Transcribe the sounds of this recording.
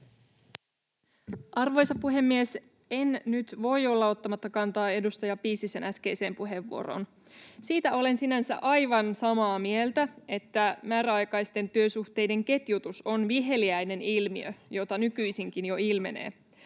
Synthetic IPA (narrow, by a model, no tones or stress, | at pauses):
ʔɑrʋo̞jsɑpːuɦe̞mːies | e̞nnyt̪ʋo̞jo̞lːɑo̞t̪ːɑmɑt̪ːɑkɑnt̪ɑːe̞dust̪ɑjɑpiːsisenæsk̟e̞jse̞ːmpuɦe̞ʋːṵo̰ɾo̞̰ːn | siːt̪æo̞le̞nsinænsæ̰ʔɑjʋɑnsɑmɑːmielt̪æe̞t̪ːæmæːɾæɑjkɑjst̪e̞nt̪yøsuht̪e̞jde̞ŋke̞t̪jut̪uso̞nʋiɦe̞liæjne̞nilmiøjo̞t̪ɑnykyjsiŋkinjo̞ilme̞ne̞̰ː